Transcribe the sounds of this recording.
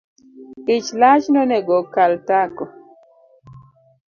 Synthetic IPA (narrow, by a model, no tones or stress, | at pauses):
ɪt͡ʃlat͡ʃnɔnɛɡɔkaltakɔ